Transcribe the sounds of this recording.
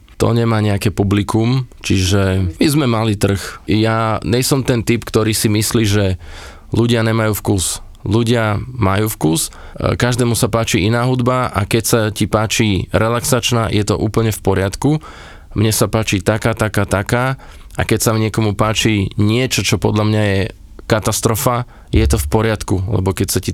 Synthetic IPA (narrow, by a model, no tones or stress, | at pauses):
t̪ɔ̰ɲɛmaːɲɛakɛːpublikumt͡ʃiʒɛmizmɛmalit̪r̩xjaɲɛsɔmt̪ɛnt̪ipkt̪ɔɾiːsimisliːʒɛ | luɟɪaɲɛmajuːfkuːs | luɟɪamajuːfkus | kaʒd̪ɛːmusapaːt͡ʃiʔinaːɦud̪baʔa̰kɛcsacipaːt͡ʃiɾɛlaksaːt͡ʃnaːjɛt̪ɔ̰ʔuːpl̩ɲɛfpɔɾɪat̪ku | mɲɛsapaːt͡ʃiːt̪akaːt̪akaːt̪akaː | ʔakɛcsaɲɪɛkɔmupaːt͡ʃiɲɪɛt͡ʃɔt͡ʃɔpɔd̪ʎamɲajɛ | kat̪ast̪ɾɔfa | jɛt̪ɔfpɔɾɪat̪kulɛ̰bɔkɛcsaci